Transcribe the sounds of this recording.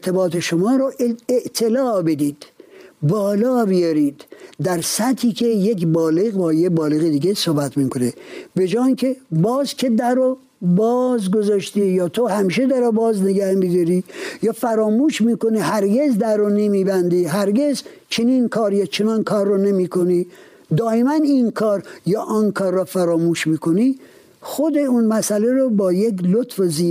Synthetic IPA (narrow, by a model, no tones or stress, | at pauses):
et̪ʰebɑːt̪ʰeʃomɒːɾoeʔt̪ʰelɒːbed̪iːd̪̥bɒːlɒːbijɒɾiːd̪ːæɾsæt̪ʰːiːkʰʲejekbɒːleɣbɒːjebɒːleɣed̪iːɡesohbæt̪miːkʰonebed͡ʒɑːiŋkʲʰebɒːzkʲʰed̪æɾo | bɒːzɡozɑʃt̪iːjɒːt̪ʰohæmiːʃed̪æɾobɒːzneɡæhbezɔɾijɒːfæɾɒːmuːʃmiːkoniːhæɾɡezd̪æɾonemibænd̪iɦæɾɡez | t͡ʃʰeninkʰɒːɾjɑt͡ʃʰenɒnkʰɒːɾːɔnemiːkʰoni | d̪ɒːemæninkʰɒːɾjɑːʔɔnkʰɒːɾːɔfæɾɒːmuːʃmiːkʰoni | xod̪eunmæsæleɾobɒːjeklot̪feziː